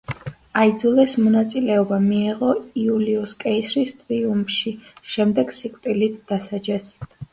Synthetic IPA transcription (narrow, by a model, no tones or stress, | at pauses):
aid̪zulˠɛsmɔnat̪sʼilɛɔbamiːʁɔiuliɔskʼɛisɾist̪ʼɾiumʃiʃɛmd̪ɛɡ̥sikʼt̪ʼilit̪̚d̪̥asad͡ʒɛs